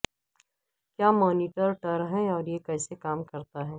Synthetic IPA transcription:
kjaːmɔːniːʈəɾʈɐɾɦɛ̃ɔːɾjekɛːsekaːmkɐɾt̪aɦɛː

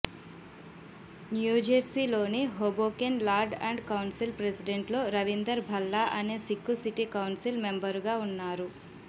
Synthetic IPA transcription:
njuːd͡ʒɐɾsilo̞ːniɦoboːkenlaːɾɖɐ̰ɳɖkɐwnsilpɾesiɖeɳʈlo̞ːɾɐʋind̪ɐɾbʱɐlːaːʔɐneːsikːusiʈikɐwnsilme̞mbɐɾɡaːunːaːɾu

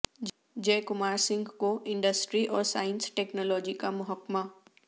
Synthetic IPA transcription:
d͡ʒɛːkʊmaːɾsɪ̃ŋɡkoʔɪ̃ɳɖəsʈɾiʔɔːɾsaːənsʈeːknɔːlɔːd͡ʒikamʊɦəkma

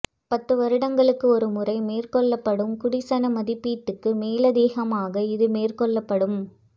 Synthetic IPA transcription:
pɐt̪ːɯʋɐɾɯɽɐŋɡɐɭɯkːɯɔɾɯmʊrɐɪmeːrkɔɭːɐpːɐɽɯmkʊɽɪsɐnɐmɐðɪpːiːʈːɯkːɯmeːlɐd̪eːɣɐmaːɣɐɪðɯmeːrkɔɭːɐpːɐɽɯm

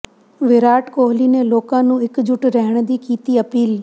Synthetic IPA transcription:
ʋɪɾaːʈkoːɦlinẽloːkãnũːɦɪkd͡ʑʱʊʈɾɐɦɪɽ̃d̪iːkiːt̪iɐpiːl

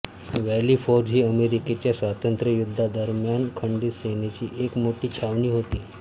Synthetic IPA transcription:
ʋæliːfoɾd͡ʑʱiːəmeɾiket͡ɕjasʋat̪ənt̪ɾəjud̪ʱːad̪əɾmjankʰəɳɖit̪senet͡ɕiːʔekmoʈiːt͡ɕʰaʋɳiːɦot̪iː

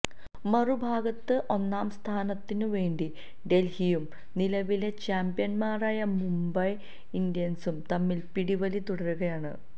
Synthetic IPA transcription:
mɐrubʱaːɡɐt̪ːɨʔo̞nːaːmst̪ʰaːnɐt̪ːinɨʋe̞ːɳɖi | ɖe̞lhijum | nilɐʋile̞t͡ɕaːmbjɐnmaːraːjɐmumbɐj | indjɐnsumt̪ɐmːilpiɽiʋɐlit̪uɽɐruɣɐjaːɳɨ̰

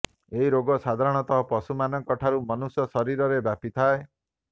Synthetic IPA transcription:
eɦiɾoɡɔsad̪ʱaɾɔɽ̃ɔt̪ɔɦɔpɔsumanɔkɔʈʰaɾumɔnusjɔsɔɾiɾɔɾebjapit̪ʰae

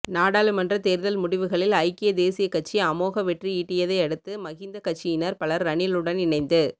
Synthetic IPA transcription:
naːɽaːlɯmɐndrɐt̪eːɾðɐlmʊɽɪʋɯɣɐɭɪlɐɪkːɪjɐd̪eːsɪjɐkːɐʈ̚t͡ʃːiɐmoːɣɐʋɛʈriiːʈːɪjɐðɐɪɐɽɯt̪ːɯmɐɣɪnd̪ɐkɐʈ̚t͡ʃːɪɪnɐɾpɐɭɐɾːɐɳɪlɯɽɐnɪnɐɪnd̪ɯ

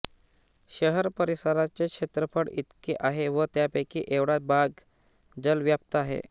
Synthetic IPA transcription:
ɕəɦəɾpəɾisaɾat͡ɕekʂet̪ɾəpʰəɽit̪keʔaɦeʋət̪japəjkiʔeʋɽabʱaɡ | d͡zəlʋjap̚t̪əaɦḛ

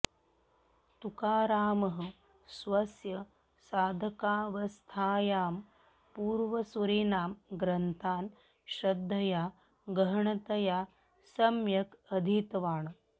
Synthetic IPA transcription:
t̪ukaːɾaːmɐɦə | sʋɐsjɐ | saːd̪ʱɐkaːʋɐst̪ʰaːjaːm | puːɾʋɐsuɾiːnaːmɡɾɐnt̪ʰaːn | ɕɾɐd̪ʱːɐjaː | ɡɐɦɐɳɐt̪ɐjaː | sɐmjɐkɐd̪ʱit̪ʋaːɳ

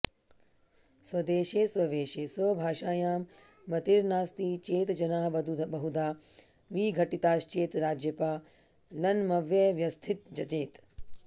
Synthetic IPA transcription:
swɐd̪eːʃeːswɐʋeːʃeːsɐbʱaːʃaːjaːmː | ɐt̪iɾnaːst̪iːt͡ʃeːt̪d͡ʒɐnaːɦbɐd̪ud̪bɐɦud̪aː | ʋiːɡʱɐʈit̪aːʃt͡ʃeːt̪ɾaːd͡ʒjɐpaː | lɐnmɐʋjɐʋjɐst̪ʰit̪̚d͡ʒɐt͡ʃeːt̪

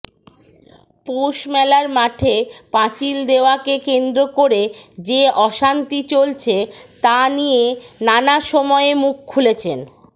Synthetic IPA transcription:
poʃmɛlaɾmaʈʰepãt͡ɕild̪eoakekend̪ɾokoɾed͡ʑeɔʃant̪it͡ɕolt͡ɕʰet̪anijenanaʃɔmɔeemukʰːulet͡ɕʰen

